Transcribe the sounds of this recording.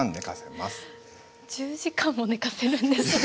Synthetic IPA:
nnekasemasɨ̥ | d͡ʑɨːʑikãmːo̞ne̞kase̞ɾɯ̟̃nd̪esɨ

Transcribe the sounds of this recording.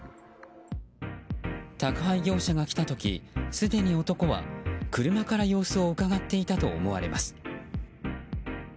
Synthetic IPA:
t̪akɯ̟ɦaiɡʲo̞ːɕaɡakʲi̥t̪at̪o̞kʲḭsɨd̪e̞ɲ̟io̞t̪o̞ko̞βa̰kɯ̟ɾɯ̟makaɾajo̞ːsɨo̞ɯ̟kaɡat̪ːe̞it̪at̪o̞̰ːmo̞βa̰ɾe̞̰masɨ̥

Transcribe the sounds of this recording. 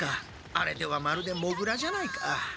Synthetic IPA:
ka | aɾe̞d̪e̞βamaɾɯ̟d̪e̞mo̞ɡɯ̟ɾaʑanaikʰa

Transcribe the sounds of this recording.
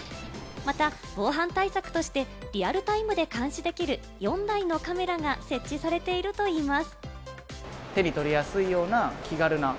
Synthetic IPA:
mat̪a | b̥o̞ːɦãnt̪aisakɯ̟̥t̪o̞ɕi̥t̪e̞ɾʲiaɾɯ̟t̪aimɯ̟d̪e̞kãɰ̃ɕid̪e̞kʲiɾɯ̟ | jõ̞nd̪aino̞kame̞ɾaɡase̞t͡ɕt͡ɕːisaɾe̞t̪e̞iɾɯ̟t̪o̞iːmasɨ̥ | t̪e̞ɲʲit̪o̞ɾʲijasɨijo̞ːnakʲʰiɡaɾɯ̟na

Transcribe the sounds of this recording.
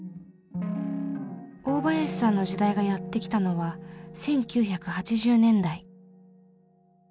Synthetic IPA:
o̞ːbajaɕi̥sãnːo̞ʑid̪aiɡajat̪ːe̞kʲi̥t̪ano̞βasẽ̞ŋkʲɨːçakɯ̟hat͡ɕiʑɨːnẽ̞nd̪ai

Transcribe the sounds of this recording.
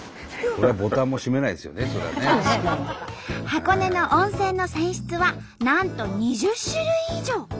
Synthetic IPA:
koɾeabo̞t̪ãmːo̞ɕime̞naid̪esɨjoneso̞ɾea̰e | hako̞ne̞no̞ʔõɰ̃se̞ːnːo̞sẽɰ̃ɕi̥t͡sɨβa | nãnt̪o̞ɲ̟iʑɨɕɨɾɯ̟id͡ʑo̞ː

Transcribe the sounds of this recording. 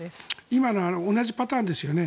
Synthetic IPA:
imanoanoonaʑipat̪ãːnd̪e̞sɨjo̞ne̞

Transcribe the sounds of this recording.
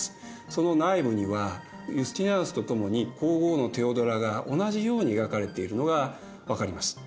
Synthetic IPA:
sɨ̥ | so̞no̞naibɯ̟ɲ̟iβa | jɯsɨ̥t̪ʲinãsɨ̥t̪o̞t̪o̞mo̞ɲ̟iko̞ːɡo̞ːno̞t̪e̞o̞d̪o̞ɾaɡaʔo̞naʑijo̞ːɲ̟ieɡakaɾe̞t̪e̞iɾɯ̟no̞ɡa | βakaɾʲimasɨ̥

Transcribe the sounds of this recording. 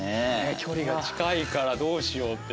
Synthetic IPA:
ekʲʰoɾʲiɡaat͡ɕi̥kaikaɾad̪o̞ːɕijo̞ːt̪ːe

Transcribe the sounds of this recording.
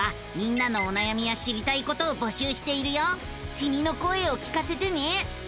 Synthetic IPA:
a | mʲĩnːano̞ːnajamʲijaɕiɾʲit̪aiko̞t̪o̞ːbo̞ɕɨːɕi̥t̪e̞iɾɯ̟jo | kʲimʲino̞ko̞e̞okʲi̥kase̞t̪e̞ne̞

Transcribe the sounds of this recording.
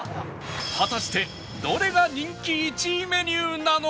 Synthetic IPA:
hat̪aɕi̥t̪e̞ | d̪o̞ɾe̞ɡaɲĩŋkʲiːt͡ɕime̞ɲʲɨɯnano

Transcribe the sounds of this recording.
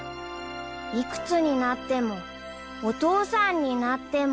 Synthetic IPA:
ikɯ̟̥t͡sɨɲ̟inat̪ːe̞mo̞ | ot̪oːsãɲ̟ːinat̪ːe̞m

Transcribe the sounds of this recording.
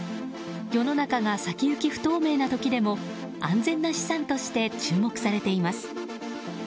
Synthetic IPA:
jo̞no̞nakaɡasakʲijɯ̟kʲiɸɯ̟̥t̪o̞ːme̞ːnat̪o̞kʲid̪e̞mo̞ | ãnd͡zẽ̞nːaɕi̥sãnt̪o̞ɕi̥t̪e̞t͡ɕɨːmo̞kɯ̟̥saɾe̞t̪e̞imasɨ̥

